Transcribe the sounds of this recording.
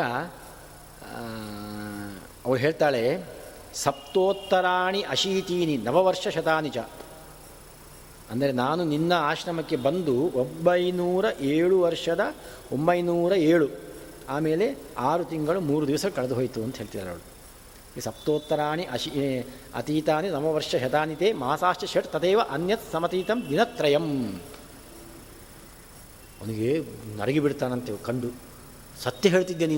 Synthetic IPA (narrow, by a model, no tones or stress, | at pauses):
a | ɐʋɾɦeːɭt̪aːɭe | sɐp̚t̪oːt̪ːɐɾaːɳiʔɐʃiːt̪iːninɐʋɐʋɐɾʂɐʃɐt̪aːnit͡ʃa̰ | ɐnd̪ɐɾe̞naːnuninːɐaːʃɾɐmɐkːe̞bɐnd̪uombɐjnuːɾɐʔeːɭuʋɐɾʂɐd̪ɐ | ombɐjnuːɾɐeːɭu | aːme̞ːle̞aːɾut̪iŋɡɐɭumuːɾud̪iʋɐsɐɐkɐɭed̪uɦoːjt̪uɐnt̪ɐɦeːɭt̪id̪aɐɾɐ̰ʋɭu | isɐp̚t̪oːt̪ːɐɾaːɳiʔɐʃi | ɐ̰t̪iːt̪aːninɐmɐʋɐɾʂɐʃɐt̪aːnit̪eːmɐasaːʃt͡ʃɐʃeʈt̪ɐt̪eːʋɐʔɐnjɐt̪sɐmɐt̪iːt̪ɐmd̪inɐt̪ːɾɐjɐm | ɐ̰nuɡenɐ̰ɾɐɡibiɽt̪aːnɐnt̪ekɐɳɖu | sɐt̪jɐɦeːɭt̪id̪ːeni